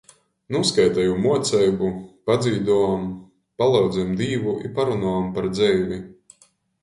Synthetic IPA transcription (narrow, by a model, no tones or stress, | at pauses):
nuɔskajt̪ɛjumuɔt̪sɛjbupad̪ziːd̪uam | palˠɑwd̪zɛjmd̪iːvuʔḭpaɾunɔampaɾd̪zɛjvʲi